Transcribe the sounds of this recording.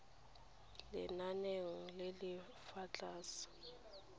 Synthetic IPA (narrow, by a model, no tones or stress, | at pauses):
lɪ̰naneŋ̩lɪlɪ | fat͡ɬʼaːsḁ